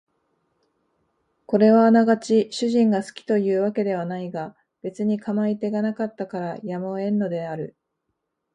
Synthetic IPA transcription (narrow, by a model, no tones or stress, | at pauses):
ko̞ɾe̞βaːnaɡat͡ɕiɕɨʑĩŋɡasɨ̥kʲi̥t̪o̞jɯ̟ːβake̞d̪e̞β̞anaiɡa | b̥e̞t͡sɨɲ̟ikʰamait̪e̞ɡanakat̪ːakaɾajamo̞ẽ̞nːo̞d̪e̞aɾɯ̟